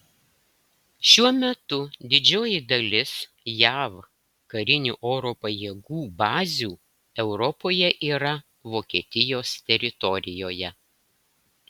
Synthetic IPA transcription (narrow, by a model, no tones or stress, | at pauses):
ʃʲuɔmʲɛt̪ʊd̪ʲɪd͡ʒʲoːjɪd̪ɐlʲɪs | jæːʋ | kɐɾʲɪnʲṵːʔoːɾoːpɐjiːɡuːbɑːzʲuː | ɛʊɾɔpoːjɛʔiːɾɐ | ʋoːkʲiɛt̪ʲɪjoːst̪ʲɛɾʲɪt̪ɔɾʲɪjoːjɛ